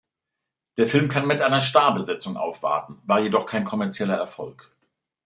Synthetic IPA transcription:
d̥eːɐfɪlmkʰanmɪtʔaɪnɐʃtaːɐbəzɛt͡sʊŋʔa̰ʊfv̥a̰ɐtn̩vaːɐjedɔχkʰaɪnkʰɔmɛɐt͡sjɛlɐɛɐfɔlk

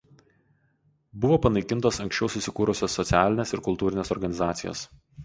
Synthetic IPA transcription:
bʊʋoːpɐnɐɪkʲɪnt̪oːsɐŋʲksʲt͡ʃʲɛʊsʊsʲɪkuːɾʊsʲoːsːɔt̪sʲæːlʲɪnʲeːsɪɾkʊlˠt̪uːɾʲɪnʲeːsɔɾɡɐnʲɪzɑːt̪sʲɪjo̰ːs

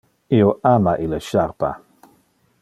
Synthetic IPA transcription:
ioʔamaʔiləʃaɾpa̰

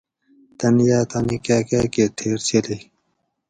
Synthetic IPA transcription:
t̪ɐnjaːt̪anikaːkaːket̪ʰeːɾt͡ɕʰeliː

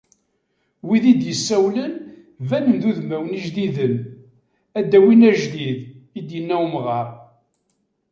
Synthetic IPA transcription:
wiðid̪jəsːæwlən | vænənðuðmæwniʒðiðən | æd̪ːæwinæʒd̪ið | id̪jənːæwmʁɑɾˤ

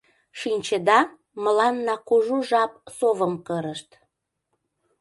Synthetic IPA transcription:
ʃinʲt͡ɕəd̪ɑ | məlɑnːɑkuʒuʒɑp̚sovəmkəɾəʃt̪

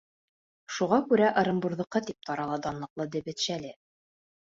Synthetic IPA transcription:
ʃuʁɑkʉɾæʔɤ̆ɾɤ̆mbuɾðɤ̆qːɤt̪ip̚t̪ɑɾɑlˠɑd̪ɑnlˠɤ̆qlˠɤd̪ɘ̆bɘ̆t̪ʃælɘ

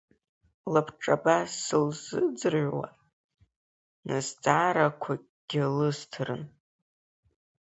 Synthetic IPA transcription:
lapʰʈ͡ʂʼabasɨlzɨd͡zɨrʕʷwa̰ | nɨzt͡sʼaːɾakʷʰa | ɡ̥ʲɪlɨztʰɨrɨn

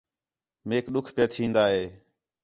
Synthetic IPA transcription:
meːkɗʊkʰpjaːt̪ʰĩːnd̪aːɦeː

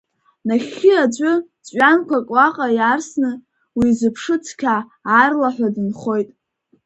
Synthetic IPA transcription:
naχʲɪad͡ʒʷʼʊ | t͡sʷʼɥankʷʰakʼwaqʼajarsnɨ | wizɨpʰʂɨt͡sʰkʲʰaː | rlaħʷᶣadɨnχo̞jtʼ

